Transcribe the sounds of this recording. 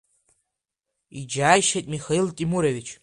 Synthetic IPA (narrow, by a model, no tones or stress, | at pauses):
id͡ʒaːjʃetʼmixailtʼimuɾɐvit͡ʃʰ